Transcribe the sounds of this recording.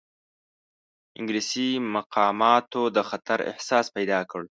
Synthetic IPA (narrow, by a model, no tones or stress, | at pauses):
ɪ̰ŋɡɾisimaqʰɑmɑt̪od̪əxat̪aɾɪ̰hsɑːspajd̪ɑkəɽ